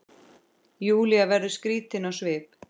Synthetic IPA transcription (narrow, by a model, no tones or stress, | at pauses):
juːliavɛɾðʏskɾiːt̪ɪnawsvɪːp̚